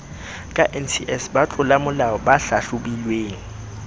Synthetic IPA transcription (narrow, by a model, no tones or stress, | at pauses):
kʼaʔɛnsiʔɛsbat͡ɬʼʊlamʊlaɔbaɬaɬʊbilweːŋ̩